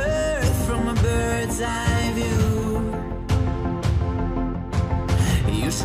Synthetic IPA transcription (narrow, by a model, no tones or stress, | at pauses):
ð̥fɹʌ̃məbɜ˞dzaɪvjʉ | jɨs